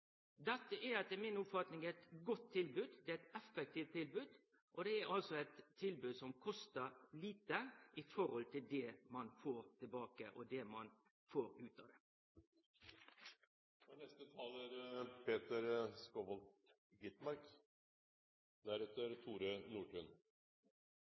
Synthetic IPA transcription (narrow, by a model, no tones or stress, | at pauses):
d̪ɛt̪ːəʔɛɑt̪ːɛmɪnʊpfɑt̪nɪŋɛt̪ɡɔt̪ʰːɪlbʉːd̪d̪ɛɛt̪ɛfɛk̚t̪iːʋt̪ʰːɪlbʉːd̪ | ʔɔd̪ɛæɾʔɑlsɔɛt̪ʰːɪlbʉːd̪sɔmkʰɔst̪əɾliːt̪əʔɪfɔɾɔlt̪ʰɪld̪ɛmɑnfoːɾt̪ʰɪlbɑːkə̰ʔɔd̪ɛmɑn | foːɾʉːt̪ɑd̪ɛ | ɔnɛst̪ət̪ʰɑːlæɾpʰeːt̪əɾskɔʋɔlt̪ | ɡɪt̪mɑɾk | d̪æɾɛt̪ːəɾt̪ʰuːɾənuːʈʰʉn